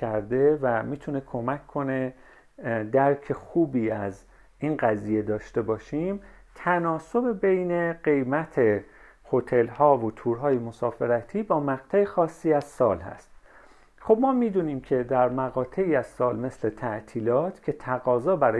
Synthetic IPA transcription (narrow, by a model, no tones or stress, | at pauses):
æɾd̪e̞væmiːt̪ʰune̞kʰo̞mækʰːo̞ne̞ | d̪æɾcʰe̞xuːbiːæz | inɢæziːje̞d̪ɒːʃt̪e̞bɒːʃim | t̪ʰænɒːso̞be̞be̞jne̞ɢe̞jmæt̪ʰe | ho̞t̪ʰe̞lhɒːvot̪ʰuːɾɦɒːjemo̞sɒːfe̞ɾæt̪ʰiːbɒːmæɣt̪ʰæexɒːsːiːæz̥sɒːlhæ̰st̪ | xo̞bmɒːmiːd̪uniːmkcʰe̞d̪æɾmæɣɒːt̪ʰe̞iːæz̥sɒːlme̞sle̞t̪ʰæʔt̪ʰiːlɒːt̪ʰcʰe̞t̪ʰæɣɒːzɒːbæɾɒː